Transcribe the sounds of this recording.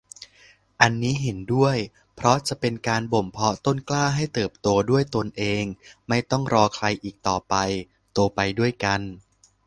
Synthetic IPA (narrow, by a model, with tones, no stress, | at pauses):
ʔa˧nːiː˦˥ɦe˩˦ndu˥˩əj | pʰɾɔ˦˥t͡ɕa˨˩ʔpe˧nkaː˧nbo˨˩mpʰɔ˦˥t̪o˥˩nklaː˥˩ɦa˥˩jt̪ɤː˨˩p̚t̪u˧ɐdu˥˩əjt̪o˧nʔeː˧ŋma˥˩jt̪ɔ˥˩ŋɾɔː˧kʰɾa˧jʔiː˨˩k̚t̪ɔː˨˩pa˧j | t̪u˧pa˧jdu˥˩əjka˧n